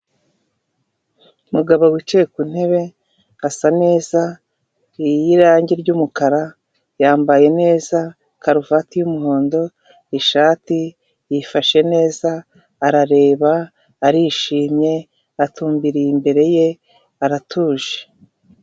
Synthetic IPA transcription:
umuɡaβowit͡ʃejekun̥e̞βe̞ | asane̞ːza | ijiɾaːɲɟiɾɟumukaɾa | jaːmbaje̞ne̞ːza | kaɾuvatijumuɦo̞ːndo̞ | iʃaːti | jifaʃe̞ne̞ːzaː | ɾaɾe̞ːβaː | ɾiʃiːmɲe̞ | atuːmbiɾimbe̞ɾe̞je̞ | aɾatʰuːʒe̥

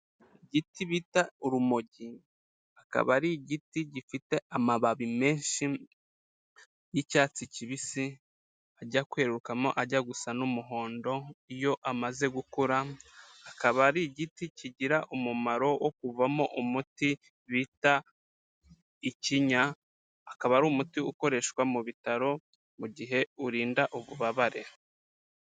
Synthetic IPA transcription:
iɟitiβitauɾumoɟi | aka̰βaɾiɟitiɟifite̞ʔamaβaβime̞ːnʃi | jicaːt͡siciβisi | aɟakwe̞ːɾukamo̰ʔaɟaɡusanumuɦo̞ːndo̞ijo̞ʔamaze̞ɡukuɾaː | kaβaɾiɟiticiɟiɾaʔumumaɾo̞wok̚uvamo̞ʔumuti | βita | iciɲaː | kaβaɾuːmutiuko̞ɾe̞ʃkwamuβitaɾo̞ | muɟiɦe̞uɾiːndaʔuβuβaβaɾe̞

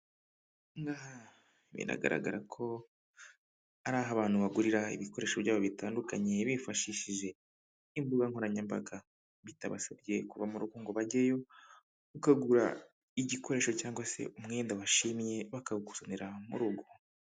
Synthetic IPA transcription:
ŋɡaːha | mḭna̰ɡa̰ɾa̰ɡa̰ɾakʰo̞ | aɾaːɦaβaːn̥uβaɡuɾiɾaḭβiko̞ɾe̞ʃoβɟaːβoβitaːndukaɲe̞βifaʃiʃiʒe̞ | imbuɡaŋ̥hoɾaɲambaɡa | βitaβa̰sabɟe̞kuvamuɾuɡuːŋɡoβaɟejo̞ | ukaɡuɾa̰ | iɟikʰo̞ɾe̞ːʃo̞caːŋɡwase̞̰umŋe̞ːndaβaʃimje̞βakaβuku̥soneɾamṵɾuɡo

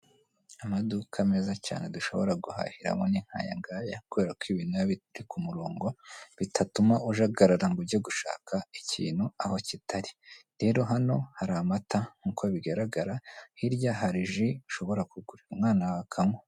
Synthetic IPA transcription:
amadukʰameːzaca̰ːne̞duʃo̞̰βo̞ɾaɡuha̰ːhiɾa̰mo̞̰niŋ̥ha̰ja̰ŋɡaːjakuβe̞ːɾakwiβiːnujaβiɾikʰumuɾoːŋɡo̞βitʰatumaʔuʒaɡaɾaɾaŋɡubɟoɡuʃa̰ːkʰaicḭːn̥huaho̞citaɾiɾe̞ːɾo̞ɦano̞haɾamataŋ̥uːkʰoβiɡaɾaɡaɾahiɾɟaɦaɾiʒiuʃo̞βo̞ɾakuɡuɾiumŋaːnawakʰamo̞

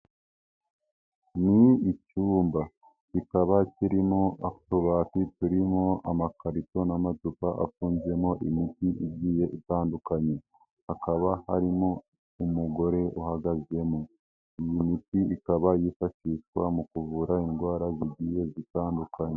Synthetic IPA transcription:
niicuːmba | cikaβaciɾimo̞aoβatitiɾimo̞amakaɾito̞namazupaʔa̰fuːnze̞mo̞ʔimitiʔiɟije̞ʔitaːndukaɲe̞ | hakaβahaɾimo̞ | umuɡo̞ɾe̞ʔuhaɡazje̞mo | ijimitiikaβajifaʃiʃwa̰mukuvuːɾaiŋɡwaːɾaziɟije̞zitaːndukaɲe

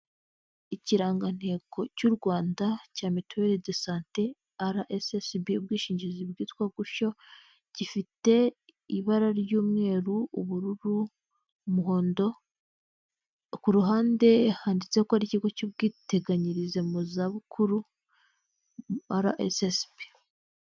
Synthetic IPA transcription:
iciɾaːŋɡan̥he̞ɡo̞cuɾɡwaːndacaːmitueɾidesaːnte | aɾaʔesesbiub̚ɡiːʃiːɲɟizibɡiːtkwaɡuʃo̞ | ɟifite̞ | iβaɾaɾjuːmŋe̞ːɾuuβuɾuɾu | muɦo̞ːndo̞ | kuɾuɦaːnde̞haːndit͡se̞kohaɾiciɡo̞cuβɡiːte̞ɡaɲiɾize̞muzaβukʰuɾu | aɾa̰ʔḛsesbi̥

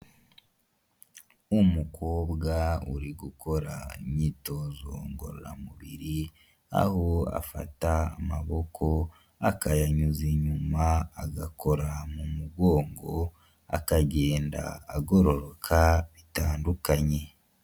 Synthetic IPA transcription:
umukʰoːbɡaṵɾiɡukʰo̞ɾa̰imɲiːto̞ːzo̞̰ŋɡo̞̰ɾo̰ɾa̰muβiɾi | a̰ho̞a̰fa̰ta̰ːmaβokʰo̞ | akajaɲuziɲumaːɡakʰo̞ɾamumuɡo̞ːŋɡo̞ | a̰kaɟe̞ːnda̰ːɡo̞ɾo̞ɾokʰaβitaːndukaɲe̞

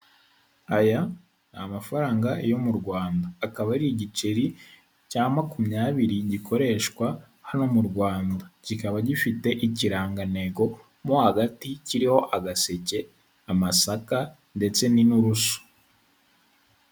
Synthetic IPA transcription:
aja | namafaɾaːŋɡajo̞muɾɡwaːndaːkaβaɾiiɟit͡ʃeɾi | caːmakumɲaːβiɾiɟikʰo̞ɾe̞ːʃkwa | hano̞muɾɡwaːndacikaβaɟifite̞ʔiciɾaːŋɡane̞ɡo̞ | mohaɡaticiɾiho̞ʔaɡase̞ce̞ | amasaka | nde̞t͡se̞ninuɾuso̥

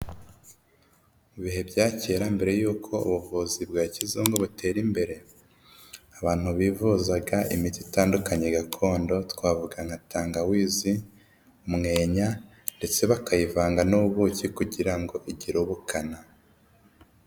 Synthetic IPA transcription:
muβiɦe̞bɟaːce̞ːɾambe̞ɾe̞juːkʰo̞ṵβuvuːzibɡaːcizumɡoβutʰe̞ːɾimbe̞ɾe̞ | aβaːn̥huβiːvuzaɡaʔimititaːndukaɲeɡakʰo̞ːndo̞tkwaːvuɡaŋ̥atʰaːŋɡawiːzi | umŋe̞ːɲa | nde̞t͡se̞βakajivaːŋɡanuβuβucikuɟiɾaŋɡo̞ʔiɟiɾuβukana

